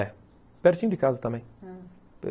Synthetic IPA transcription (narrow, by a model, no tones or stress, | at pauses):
ɛ | pɛɾsĩmd̪ikazɐt̪ɐmɛ̃j̃ | p